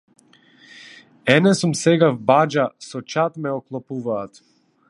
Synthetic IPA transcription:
ɛnɛsumsɛɡavbad͡ʒasɔt͡ʃat̪mɛɔklˠɔpuvaːt̪

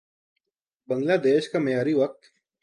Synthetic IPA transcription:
bə̃ŋɡlaːd̪eːʃkamejaːɾiʋɐk̚t̪

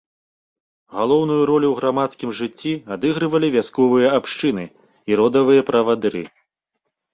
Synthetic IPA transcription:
ɣalˠɔwnujuɾɔlʲuwɣɾamat̪skʲimʐɨt͡sʲːiad̪ɨɣɾɨvɐlʲivʲaskɔvɨjɐapʂt͡ʂɨnɨ | iɾɔd̪ɐvɨjɐpɾɐvad̪ɾɨ̰

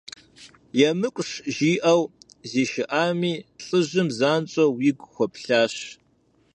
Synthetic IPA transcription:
jɛmɨkʷʼʂʒiːʔɐw | ziːʃɪʔaːmiːɬʼɨʑɨmzaːnt͡ʃʼɐwiɡʷʼxʷɔpɬaːɕ

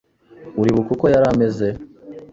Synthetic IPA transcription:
uɾiβukuko̞jaɾame̞ze̞

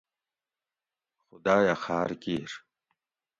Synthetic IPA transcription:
xʊd̪aːjaxaːɾkiːɾ

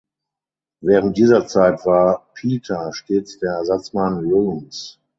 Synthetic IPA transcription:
vɛːʁənt̚d̥iːzɐt͡saɪtv̥aːɐpʰiːtʰaʃteːt͡sd̥eːɐɛɐzat͡smanʁuːms

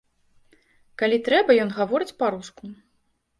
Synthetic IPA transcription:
kalʲit̪ɾɛbɐjɔnɣavɔɾɨt͡sʲpaɾusku

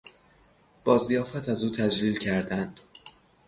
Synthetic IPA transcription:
b̥ɒːzijɒːfæt̪ʰæzuːt̪ʰæd͡ʒliːlcʰæɾd̪ænd̪̥

